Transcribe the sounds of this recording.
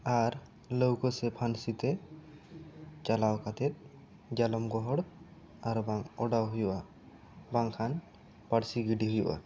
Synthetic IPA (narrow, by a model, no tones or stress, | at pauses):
aɾ | lowkɔsɛpʰansit̪ɛ | t͡ʃalawkat̪ʰɛt̪̚ | d͡ʒalɔmɡɔɦɔɽ | aɾbaŋɔɖawɦujuʔa | baŋkʰan | paɽsiɡiɖiɦujṵʔa̰